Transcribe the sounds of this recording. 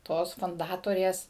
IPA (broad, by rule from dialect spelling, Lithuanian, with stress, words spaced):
ˈtoːs fʊnˈdɑːtoːrʲeːs